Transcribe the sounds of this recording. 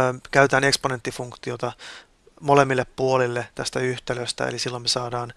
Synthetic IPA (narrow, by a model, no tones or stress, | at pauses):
kæyt̪æːneksponet̪ːifuŋkt̪iot̪ɑ | molemːilːeppuolilːet̪æst̪æyht̪eløst̪æ̰ḛlisilːomːesɑːdɑːn